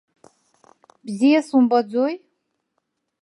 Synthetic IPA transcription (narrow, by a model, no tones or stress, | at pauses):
bzisumbʌd͡zoj